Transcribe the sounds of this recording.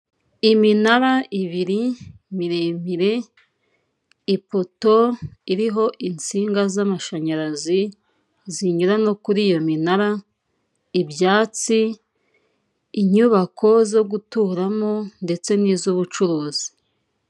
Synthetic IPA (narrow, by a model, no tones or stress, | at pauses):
iminaɾaʔiβiɾi | miɾeːmiɾe̞ | ipo̞to̞iɾiɦo̞ʔint͡siːŋɡazamaʃaɲaɾazi | ziɲuɾano̞kuɾiːjo̞minaɾa | ibjaːt͡si | ɲuβakʰo̞zo̞ɡutuːɾamonde̞t͡se̞nizuβut͡ʃuɾoːzi̥